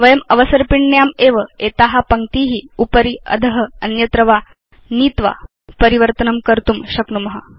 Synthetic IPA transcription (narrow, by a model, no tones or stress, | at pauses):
ʋɐjɐmɐʋəsɐɾpiɳːjaːmeːʋəeːt̪aːɦɐpɐŋt̪iːɦiupəɾiɐ̰d̪ʱəɦəɐnjɐt̪ɾɐʋaː | niːt̪ʋa̰ | pɐɾiʋəɾt̪ɐnɐmkɐɾt̪umɕɐknumɐɦa